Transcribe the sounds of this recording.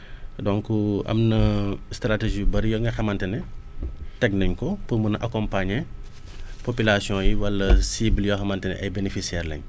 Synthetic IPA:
dɔŋkuɐ̰mnɐstɾateʒibɐɾjɔŋɡɐxɐmɐntɛnɛ | tɛk̚nɐɲkɔpumunʔɐ̰kɔmpaɲɛ | popilasjɔ̃ːjiwɐlːɐsibljɔxɐmɐntɛnɛ̰ʔɐjbenefisiɛrlɐ̰ɲ

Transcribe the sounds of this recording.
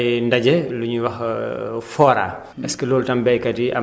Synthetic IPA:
jndɐɟɛluɲuwɐxfɔːɾa̰ː | ɛskɛlɔːltɐmbɛjkɐtiɐ

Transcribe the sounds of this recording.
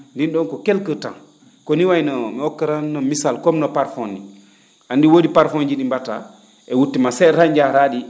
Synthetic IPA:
ndinɗɔnkɔkelkəta̰n | kɔniwajnɔmɛɔkːaɾanːɔmisalkɔmnɔpaɾfɔnːḭ | ʔandiwodipaɾfɔnd͡ʒiɗimbata̰ | ʔɛwutːimasɛɾaɲd͡ʒaɾaɗi

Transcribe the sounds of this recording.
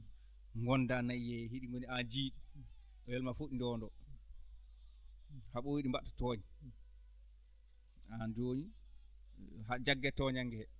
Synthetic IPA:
ŋɡɔndanajjɛɦiɗiŋɡoniand͡ʒiːɗi | ɔjɛlmafoɗindɔndɔ | haɓɔwiɗimbatːḁtɔːɲi | ad͡ʒoːɲi | ɦad͡ʒaɡːɛtɔɲaŋːɡɛhɛ

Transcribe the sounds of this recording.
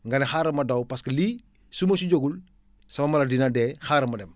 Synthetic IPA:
ŋɡɐnexaɾɐmɐdawpaskɐli | sumɐsuɟoɡul | sɐmɐmɐlɐdinadɛːxaɾɐmɐdɛm

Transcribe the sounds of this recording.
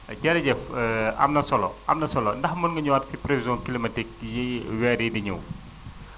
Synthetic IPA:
ɟɛɾɐɟɛfɐ̰mnɐsɔlɔ̰ʔɐ̰mnɐsɔlɔndɐxmɔnŋɡɐɲuwatsipɾevizɔ̃kilimɐtik̚jiwɛːɾidiɲṵw

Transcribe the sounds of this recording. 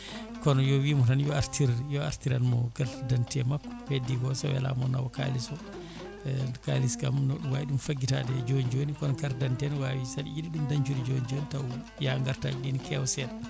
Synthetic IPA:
kɔnɔjɔwimɔtanjɔaɾtiɾjɔaɾtiɾanmɔɡaltdantɛmakːɔ̥wedːiɡɔsɔwɛ̰la̰mɔna̰wɔka̰lisɔ | kaliskamnɔɗuwaiɗumfaɡːita̰dɛd͡ʒond͡ʒonikɔnɔkaɾdantɛnwawisadḭjidiɗumdaɲt͡ʃuɾid͡ʒond͡ʒonitaw | jaŋɡaɾtaɗinikɛwsɛn

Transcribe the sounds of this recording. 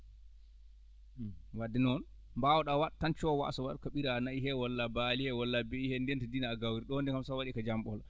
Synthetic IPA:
wadːɛnɔn | mbawɔɗawatːant͡ʃɔwa̰ʔsɔwaɗkaɓiɾanaiɦɛwɔlːabalihɛwɔlːabɛihɛndɛntadinaːɡawɾiɗɔndɛkamsawaɗikad͡ʒamɓɔɔla

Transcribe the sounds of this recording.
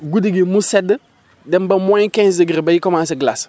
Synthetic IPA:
ɡudiɡimusɛdə | dɛmbamãjkɛ̃sdəɡɾibajikɔmãs̬eɡlas

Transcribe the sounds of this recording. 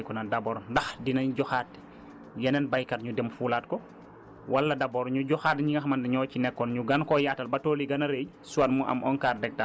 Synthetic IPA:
kɔnɐdɐbɔːɾndɐxdinɐɲɟɔxaːt̚ | jɐnɛnbajkɐrɲudɛmfuːlaːtkɔ | wɐlːɐdɐbɔɾɲuɟɔxaːtɲiŋɐxmɐndɛɲɔːcinɛkːɔnɲuɡɐnkɔjaːtɐlbɐtoːliɡɐnɐɾej | suɐtmuʔɐ̰mʔɔnkaːrdɛk̚ta

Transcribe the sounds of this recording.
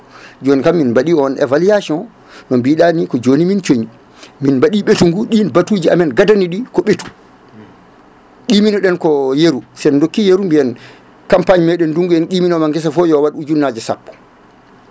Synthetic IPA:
d͡ʒonikamːinbaɗiɔnʔɛ̰valiasiɔn | nɔmbiːɗanikɔd͡ʒonimint͡ʃoɲi | minbaɗiɓetuŋɡuɗinbatud͡ʒiamɛnɡadaniɗikɔɓetu̥ | ɗiːminɔɗɛnkɔjeɾusɛndokːijeɾumbiɛn | kampaɲmɛɗɛnduŋɡuɛnɗiːminɔmaŋɡɛs̬afɔjɔwaɗud͡ʒunːad͡ʒɛsa̰pːɔ̥

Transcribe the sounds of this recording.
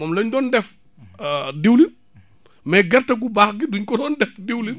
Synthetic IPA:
mɔːmlɐɲdɔːndɛf | diwlin | mɛɡɐɾtɐɡ̬ubaːxɡiduɲkɔdɔːndɛfdiwli

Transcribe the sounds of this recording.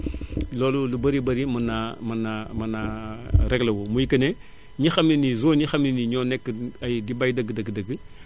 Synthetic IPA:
loːlulubɐɾibɐɾimɐnamɐnamɐnaɾɛɡlɐwomujikɐne | ɲixɐmninizoːɲixɐmniniɲɔːnɛkːɐjdibajdɐɡədɐɡdɐɡə

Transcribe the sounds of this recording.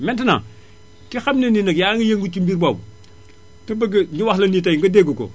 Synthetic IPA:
mɛntina̰ | kixamnininɐkjaːŋijeŋɡut͡ʃumbiɾbabu | tebɐɡɐɲiwaxlɐniːt̬ajŋɡɐdeɡoko̰

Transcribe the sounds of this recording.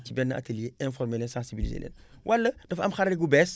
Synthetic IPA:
cibɛnːɐʔɐ̰telijeɛ̃nfɔrmelɛnsãːnsibilḭzḛːnɛ̰ːn | wʔɐlːɐd̥ɐfɐ̰mxɐɾɾiɡubɛs

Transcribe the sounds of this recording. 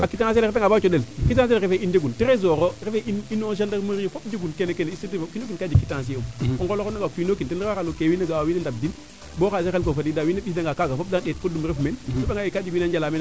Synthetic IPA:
akitaŋas̬el̬eŋabat͡ʃodelkit̬aelɾefeid͡ʒeɡuntiɾezoɾoɾefeʔininoʃ̬andamuɾijofopd͡ʒeɡunkenekeneisidfkinokinkad͡ʒikitãs̬omoŋɡolokonaɡakʷinokintinaalokewinaɡawawinendab̚din | bokasexelkofadidawinabisdaŋɡakaɡafob̚daet̚kodumɾefmenopeŋajikad͡ʒiwinand͡ʒalamen

